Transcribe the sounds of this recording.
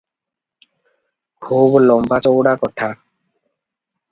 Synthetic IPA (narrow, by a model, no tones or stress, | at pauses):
kʰublɔmbat͡ʃɔwɽakɔʈʰa